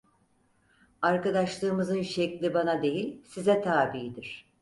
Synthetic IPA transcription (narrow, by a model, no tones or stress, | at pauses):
aɾkad̪aʃlˠɯːmɯzɯnʃɛclʲibanad̪e̞jilʲsizɛt̪ʰaːbid̪iɾ̥